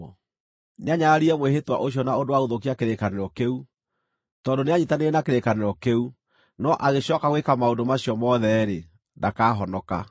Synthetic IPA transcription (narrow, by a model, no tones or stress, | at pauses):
neaɲaɾiɛmwehetwa̰ʔoɕiɔnaondowaɣoðokiakeɾekaneɾɔkeu | tɔndoneaɲitaneenakeɾekaneɾɔkeu | nɔʔaɣeɕɔkaɣwekamaondomaɕiɔmɔðɛɾe | nakaɦɔnɔka̰